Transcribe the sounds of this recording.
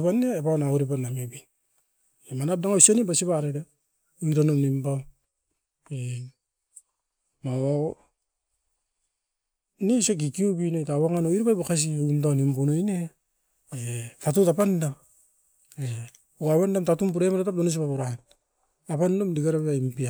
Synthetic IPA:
panːeːpanaoɾipanːamebin | emanap̚daŋausanibasiβaɾeda | iɾanomnimba | e | mawa | nisek̬ikiubinojtawaŋanoiɾpajbakas̬iindanimpunojne | etatutapanda | e | uawendamtatumpuɾemaɾatap̚donos̬ipapuɾahen | apandomdiɡaɾaaimpia

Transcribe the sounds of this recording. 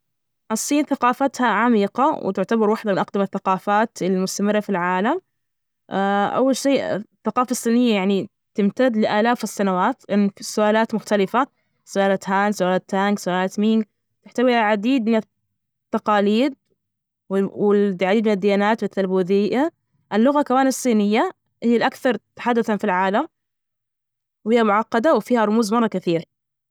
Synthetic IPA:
ʔɑsˤːiːnθaqɑːfat̪haʕamiːqɑwɪ̰t̪ɪʕt̪abɑɾˤwaħd̪amɪnʔaqd̪amaθːaqɑːfaːt̪ɪlmʊst̪amɪrːafilʕaːlam | ʔaʔa̰wːalʃḛːθːaqɑːfasˤːiːnɪjːajaʕni | t̪ɪmt̪ad̪lɪʔaːlaːfɪsːanawaːt̪ʔɪnsːʊʔaːlaːt̪mʊxt̪alɪfa | sʊʔaːlaːt̪haːnsʊʔaːlaːt̪ːaŋɡsʊʔaːlaːt̪miŋɡ | t̪ɪħt̪awiaʕad̪iːd̪mɪna | t̪ːɑqɑːliːd̪̚ | wɪɪd̪ʕad̪iːd̪mɪnad̪ːɪjaːnaːt̪wɪθalbuːðɪja | ʔɪlːʊɣakawaːnsˤːiːnɪjːa | hɪjːalʔakθɑɾˤt̪ḁħad̪ːaθafilʕaːlam | whiːhamʊʕɑqːɑd̪awfiːhaɾˤʊmuːzmɑrˤːɑkaθiːɾ

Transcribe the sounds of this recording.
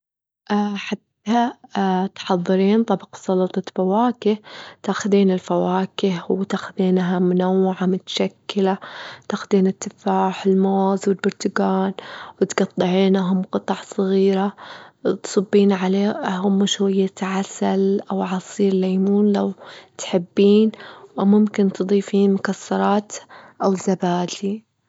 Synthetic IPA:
ʔaħat̪ːat̪ħɑðˤːɨɾiːnt̪ˤɑbqsˤɑlɑt̪ˤɑfawaːkɪht̪aːxʊðiːnɪlfawaːkɪhwt̪axʊðiːnɦamʊnawːɪʕamʊt̪ḁʃakːɪlat̪aːxʊd̪iːnɪt̪ːɪfaːħɪlmoːzwɪlbʊɾt̪ʊɡaːnwɪt̪ɡɑt̪ˤːɨʕiːnɦʊmqɨt̪ˤɑʕsˤɨɣiːɾat̪sˤɑbːiːnʕaleːhʊmːaʃwuɪjːaʕasalʔawʕɑsˤiːɾɪlaːmuːnlawt̪ħɪbːiːnwɪmʊmkɪnt̪ɨd̪ˤiːfiːnmʊkasːɑɾˤɑːt̪ʔawzːabaːdi

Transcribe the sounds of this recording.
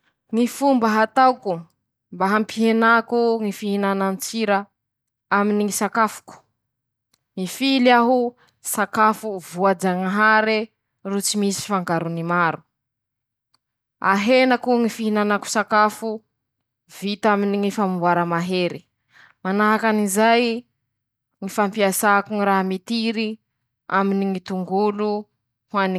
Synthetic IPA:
ŋifumbəɦat̪awku | mbaɦampiɦenakuŋifiɦinanant͡siɾa | aminiŋisakafu̥ku̥ | ŋifiliaɦu | sakafuvuad͡ʒaŋaɦaɾi | rut͡simisi̥faŋɡaɾunimaɾu | a̰ɦenakuŋifiɦinanaku̥sakafu | vit̪aminiŋifamubwaɾamaɦeɾi | manaɦakanizaj | ŋifampiasakuŋiɾaɦamit̪iɾi | aminiŋit̪uŋɡulu | hwani

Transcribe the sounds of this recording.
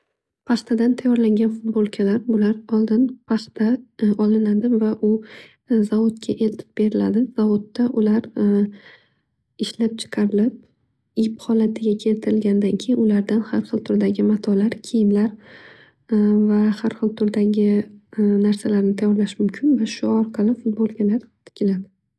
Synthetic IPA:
pʰɑχt̪ʰad̪ant̪ʰajɒɾlaŋɡʲanfʊd̪̚bolˠkʲʰalaɾbʊlaɾɒlˠd̪ɪnpʰɑχt̪ʰaɒlɪnad̪ɪvaʔʊ | zavot̪̚kʲʰaʔe̞lt̪ʰɪ̥p̚b̥e̞ɾɪla̰d̪ɪz̥avot̪ːaʔʊlaɾ | ɪʃlap̚t͡ʃʰɨ̥qʰɑɾɪlɪp̚ | iphɒlat̪ʰɪɡʲakʲʰe̞lt̪ʰɪɾɪlɡʲanɪd̪ankʲʰejɪnʊlaɾd̪anhaɾχɨlˠt̪ʰʊɾd̪aɡʲɪmat̪ʰɒlaɾkʲʰejɪmlaɾ | vahaɾχɨlˠt̪ʰʊɾd̪aɡʲɪnaɾsalaɾnɪt̪ʰajɒɾlaʃmʊmkʲʰɪnvaʃʊɒɾqʰɑlɪfʊt̪̚bolˠɡʲanlaɾt̪ʰɪ̥kʲɪlad̪ɪ

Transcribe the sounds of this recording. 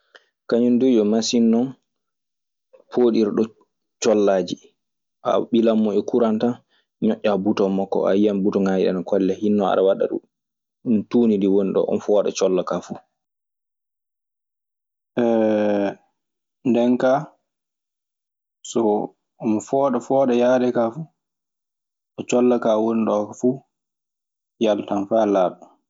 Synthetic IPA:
kaɲundud͡ʒɔmasinːɔn | pʰoːɗiɾɗɔ | t͡ʃɔlːaːd͡ʒi | ʔa̰ɓilamːɔɛkuɾanta | ɲɔʔːabutɔmːɔkːɔ̰ʔa̰jijambutɔŋajiɗa̰nakʰɔlːɛhinːɔa̰ɗawaɗa̰ɗṵ | untuːnindiwoniɗɔ̰ʔɔ̰mfɔːɗa̰t͡ʃɔlːakafu | ʔɛ | ndɛnka | sɔ | ɔmɔfɔːɗɔfɔːɗɛjaːɗɛkafu | ʔɔt͡ʃɔlːakawoniɗɔkɔfu | jaltanfalaːɓa

